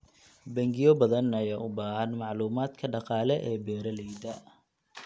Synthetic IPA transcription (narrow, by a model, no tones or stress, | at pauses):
bɐŋɡɪjɔbɐðɐnɐjaːʔʊbaːhɐnmɑʕluːmaːd̪kʰɐɖɑqɑːlɛʔɛːbɛːɾɐlɛjd̪ɐ